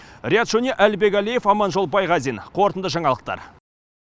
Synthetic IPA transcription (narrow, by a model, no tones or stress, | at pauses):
rʲɪjat̪ʒ̥ɵnʲeʔælbe̞kʲælije̞fɑmɑnʒo̞lˠbɑjʁɑzijnqʰo̞ɾt̪ənd̪əʒɑɴɑlˠəq̚t̪ɑ̰ɾ